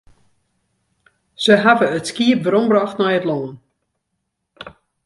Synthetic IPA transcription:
z̥əɦavəətskiəp̚vəɾɔmbraxtnɛjətlɔn

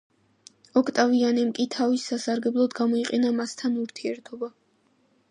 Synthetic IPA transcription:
ɔkʰt̪ʼavianɛmkʼit̪ʰavisːasaɾɡɛblˠɔd̪ɡamɔiqʼɛnamast̪ʰanuɾt̪ʰiɛɾt̪ʰɔba

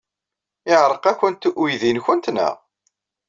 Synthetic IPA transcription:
ɪʕɾˤəqæçənt̪ʔujðinçənt̪nə̰ʁ

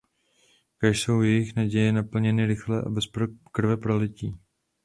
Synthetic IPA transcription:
kaʃso̞wjɛjɪxnaɟɛjɛnapl̩ɲɛnɪɾɪxlɛʔa̰bɛspkr̩vɛpɾolɪciː

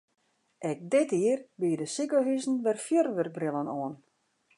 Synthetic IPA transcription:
ʔɛk̚dɪtiərbiədəsikəɦysn̩ʋɛrfjərʋørk̚brɪlˠənɔən

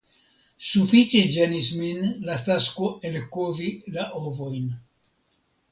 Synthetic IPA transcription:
sufit͡ʃed͡ʒenisminlat̪askoelkovilaʔovojn

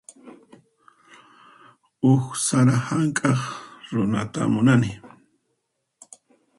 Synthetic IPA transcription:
ʊxsaɾahaŋkʼɑχɾʊnat̪a̰mʊnanɪ

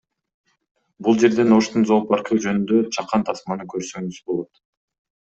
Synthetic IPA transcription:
bulˠd͡ʒe̞ɾd̪e̞no̞ʃt̪unzo̞ːpɑɾqʰud͡ʒø̞nynd̪øt͡ʃʰɑqːɑnt̪ʰɑsmɑnɯkʰøɾsøŋɡyzbo̞lˠo̞t̪

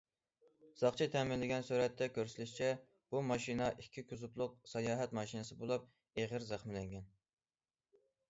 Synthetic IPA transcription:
z̥ɑχt͡ʃʰit̪ʰɛmɪlːɪɡʲɛnsyɾɛt̪ːɛkʲʰøɾsɪlyʃt͡ʃʰɛ | b̥umɑʃinɑʔikʲʰːikʰʲyzuplˠʊq̚sɑjɑːɦɛt̪mɑʃinɨsɨbolˠup̚ | eʁɪɾzæχmɪlɛŋɡʲɛn

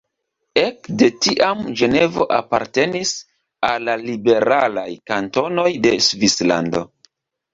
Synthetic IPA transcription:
e̞kde̞tiʔamd͡ʒe̞ne̞vo̞̰ʔapa̰ɾte̞nis | alːalibe̞ɾalajkanto̞no̞jde̞svisla̰ndo̞̰

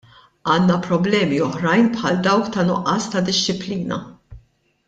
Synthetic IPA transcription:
ɐːnːɐpɾɔblɛːmiɔħɾɐjnpħɐld̪ɐwkt̪ɐnʊʔːɐːst̪ɐd̪ɪʃːɪpliːnɐ̰

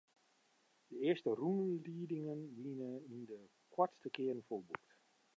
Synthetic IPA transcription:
d̥əɪəstərunliːdɪŋənʋinəində | kʰwɔtstəkɪərn̩folˠbukt

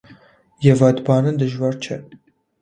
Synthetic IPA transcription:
jɛvɑd̪bɑːnɨnd̪ɨʒwɑɾt͡ʃʰɛ

